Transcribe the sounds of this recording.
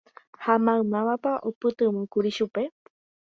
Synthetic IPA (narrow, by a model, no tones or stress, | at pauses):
hamãɨ̃mãʋapaʔopɨt̪ɨ̃mũkuɾiʃupe̞